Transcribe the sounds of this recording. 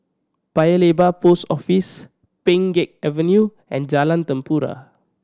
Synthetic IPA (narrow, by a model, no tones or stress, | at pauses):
pajəlebaposɔfis | pẽŋɡek̚ɛvə̃nju | ɛ̰̃nd͡ʒalãnt̪ə̃mpuɾa̰